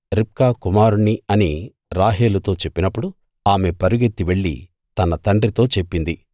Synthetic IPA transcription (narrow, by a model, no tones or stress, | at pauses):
ɾip̚kaːkumaːɾuniɐni | ɾaːɦeːlut̪o̞ːt͡ʃe̞pːinɐpːuɽu | aːme̞pɐɾuɡet̪ːiʋe̞ɭːḭ | t̪ɐnɐt̪ɐɳɖrit̪o̞ːt͡ʃe̞pːind̪i